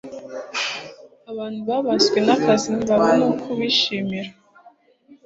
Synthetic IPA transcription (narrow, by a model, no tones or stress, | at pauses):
aβaːn̤̥huβaβazɡwenakʰaziniβaβanokʰuβiʃimiɾa